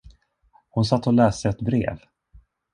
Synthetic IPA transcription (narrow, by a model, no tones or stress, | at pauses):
hʊnsat̪ːɔlɛːst̪əɛt̪bɾḛːv